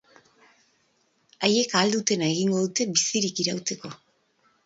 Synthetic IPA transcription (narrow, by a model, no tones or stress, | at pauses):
aje̞kaːld̪ut̪e̞nae̞ɣiŋɡo̞ðut̪e̞bisiɾikiɾawt͡se̞ko̞